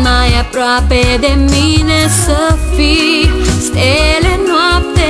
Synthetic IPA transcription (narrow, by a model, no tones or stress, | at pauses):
majapɾaped̪eminesəfiselenɔpt̪e